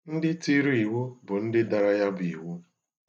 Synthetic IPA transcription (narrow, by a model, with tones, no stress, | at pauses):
n̩˦dɪ˦ti˦ɾi˨wu˦bʊ˨n̩˦dɪ˦da˨ɾa˦ja˦bʊ˨i˨wu˦